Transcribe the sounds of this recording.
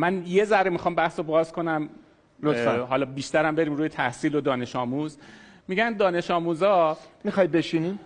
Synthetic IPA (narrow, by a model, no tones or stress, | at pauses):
mænje̞zæɾemixɒːmbæhsobɒːzkʰo̞næm | oɦɒːlɒːbiːʃt̪æɾæmbe̞ɾiːmɾuːjet̪ʰæhsiːlod̪ɒːne̞ʃɒːmuːz | miɟænd̪ɒːne̞ʃɒːmuːzɒːmixɒːj̚beʃini